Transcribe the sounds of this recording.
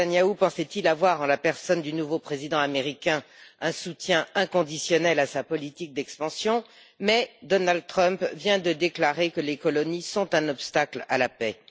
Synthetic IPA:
anjaupɑ̃sɛt̪ilavwaʁɑ̃lapɛʁsɔnd̪ynuvopχezid̪ɑ̃ameʁikʲɛ̃ɛ̃sut̪jɛ̃ɛ̃kɔ̃d̪isjɔnɛlasapɔlit̪ik̚d̪ɛkspɑ̃sjɔ̃ | mɛd̪ɔnald̪̚t̪χœ̃mpvjɛ̃d̪əd̪eklaʁekəlekɔlɔnisɔ̃t̪ɛ̃nɔpst̪akla̰lapɛ

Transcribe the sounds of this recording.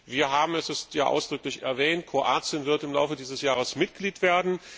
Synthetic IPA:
viːɐɦaːbm̩ɛsɛstjaːʔa̰ʊsd̥ʁʏklɪçɛ̰ɐvɛːntkʰʁ̥oʔaːt͡sjənvɪɐtɪmla̰ʊfədiːzəsjaːʁ̞əsmɪtɡ̥liːtv̥eːɐdn̩

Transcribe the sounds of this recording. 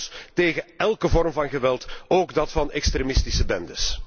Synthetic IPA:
steːɣəɛlˠkəvɔrmvɑnɣəʋɛlˠtoːɡdɑtfɑnɛkstɾemɪstisəbɛndəs

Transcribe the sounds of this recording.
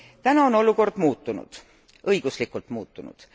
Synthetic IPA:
t̪ænɑo̞no̞luko̞rd̪̥muːt̪ːˑunṵd̪̥ | ɤjɡ̥uslikˑult̪muːt̪ːˑunṵd̪̥

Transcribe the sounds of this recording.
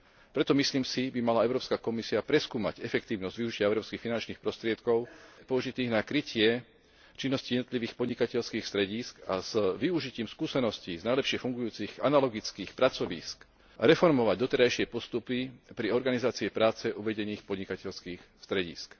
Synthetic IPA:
pɾɛt̪ɔmisliːmsibimalaɛʊɾɔːpskakɔmisiapɾɛskuːma̰ɟɛfɛkt̪iːʊnɔzɟvʋiuʒicɪaɛʊɾɔːpskiːxfinant͡ʃniːxpɾɔst̪ɾɪɛt̪kɔʊpɔuʒit̪iːɣnakɾicɪɛ | t͡ʃinːɔscijɛd̪nɔt̪liʋiːxpɔd̪ɲikacɛʎskiːxst̪ɾɛɟiːska̰z̥ʋiuʒiciːmskuːsɛnɔsciznajlɛpʃɪɛfuŋɡujuːt͡siɣa̰nalɔɡit͡skiːxpɾat͡sɔʋḭːsk | ɾɛfɔɾmɔʋaɟd̪ɔt̪ɛɾajʃɪɛpɔst̪upipɾiɔɾɡanizaːt͡siɛpɾaːt͡sɛʔuʋɛɟɛniːxpɔd̪ɲikacɛʎskiːxst̪ɾɛɟḭːsk

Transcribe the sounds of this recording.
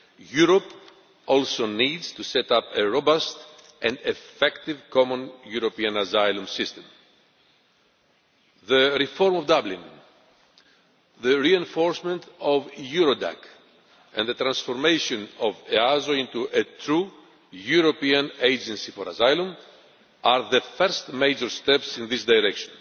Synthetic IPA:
juɾop | olsonidz̥t̪uset̪apeɹobast̪ | ɛ̃nd̪efɛkt̪ivkomõnjuɾopiɐ̃nazajlũmsist̪ẽm | ðəɾifoɾmovd̪ablĩn | ðəɾiẽnfoɾsmẽnt̪ovjuɾod̪a̰k | ɛ̰̃nd̪ðət̪ɾɐ̃nsfoɾmejʃõnoveazoĩnt̪uʔet̪ɾu | juɾopiɐ̃nejd͡ʒẽnsifoɾazajlɐ̃m | aɾðəfɛɾst̪mejd͡ʒoɾst̪epsĩnðisd̪ajɾɛkʃõn

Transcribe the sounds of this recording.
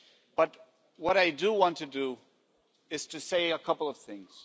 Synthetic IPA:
b̥ʌt̚ | wʌɾaɪdɨwɑ̃ntʰɨdɨ | ɨz̥tʰɨseɪəkʰʌpl̩ˠʌv̥θɪ̃ŋz̥

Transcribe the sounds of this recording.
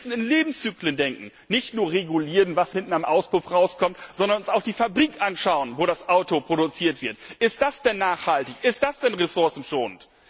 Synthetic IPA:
sn̩ɪnleːbm̩st͡syːkləndɛŋkŋ̩ | nɪçtnuːɐʁeɡuliːʁənvashɪntn̩amʔaʊsb̥ʁʊfʁaʊskʰɔmtz̥ɔndɐnʊnsaʊxd̥iːfabʁiːkʔanʃaʊənvoːɾasʔaʊtopʁ̥oɾut͡siːɐtv̥ɪɐtʔɪst̚d̥asd̥ɛnːaːχhaltɪçɪst̚d̥asd̥ɛnʁesʊɐsn̩ʃoːnt

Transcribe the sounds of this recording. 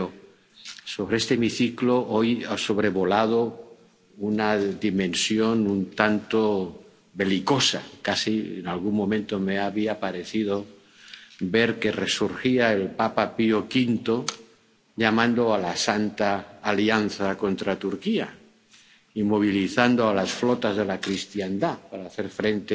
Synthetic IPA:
o | so̞βɾeest̪emiθikloʔojaso̞β̞ɾe̞βo̞lað̞o | unaðimẽ̞nsjo̞nunt̪ant̪o | be̞liko̞sa̰kasiḛnalɣuŋmːõ̞mẽnt̪omeaβiapaɾe̞θiðo | be̞ɾke̞re̞suɾxiae̞lpapapiokint̪o̞ | ʎamãnd̪oalasant̪aːlianθako̞nt̪ɾat̪uɾkia | imo̞β̞iliθand̪oalasflot̪azðe̞lakɾist̪jand̪apaɾaːθe̞ɾfɾe̞nt̪e

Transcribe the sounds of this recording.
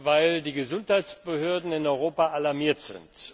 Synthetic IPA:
vaɪldiːɡəzʊnthaɪtt͡ssb̥əɦøːɐdn̩ɪnɔʏʁoːpaʔalaɐmiːɐtz̥ɪ̰nt

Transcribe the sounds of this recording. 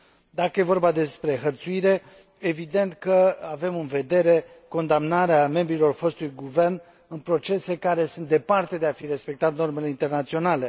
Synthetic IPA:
d̪akəje̞vo̞rbad̪e̞spɾe̞ɦərt̪suiɾe̞ | evid̪e̞nt̪kəave̞mɨnve̞d̪e̞ɾe̞ | ko̞nd̪amnaɾeame̞mbɾilo̞rfo̞st̪ulujɡuve̞rn | ɨnpɾo̞t͡ʃe̞se̞kaɾe̞sunt̪d̪e̞part̪e̞d̪e̞afiɾe̞spe̞k̚t̪at̪̚no̞rme̞le̞int̪e̞rnat̪sio̞nale̞

